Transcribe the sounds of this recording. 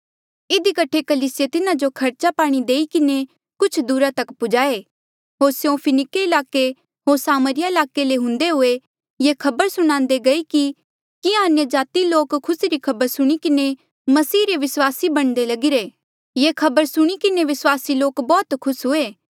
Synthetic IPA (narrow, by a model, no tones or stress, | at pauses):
ɪd̪ikɐʈʰekɐliːsɪjet̪ɪnãd͡ʒokʰɐɾt͡ʃapaːɽ̃id̪eːikɪne | kʊt͡ʃʰd̪uːɾat̪ɐkpʊd͡ʒaːe | ɦoːɾsjõpʰɪnɪkeɪlaːke | ɦoːɾsaːməɾɪjaɪlaːkeleɦʊ̃nd̪eɦʊe | jekʰɐbəɾsʊɽ̃ãːnd̪eɡɐiki | kɪjãɐnjəd͡ʒaːt̪iloːkʰːʊsiɾikʰɐbəɾsʊɽ̃ikɪne | mɐsiːɾeʋɪswaːsibɐɽ̃d̪elɐɡɪɾeː | jeːkʰɐbəɾsʊɽ̃ikɪneʋɪswaːsiloːkbɔːt̪kʰʊsɦʊeː